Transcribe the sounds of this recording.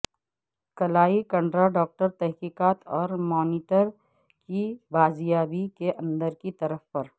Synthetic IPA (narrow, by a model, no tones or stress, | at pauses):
kɐlaːikɐ̃ɳɖɾaɖɔːk̚ʈəɾt̪ɛɦkiːkaːt̪ʰɔːɾmɔːniːʈəɾ | kibaːzijaːbikeʔɐ̃nd̪əɾkit̪ɐɾəfpɐɾ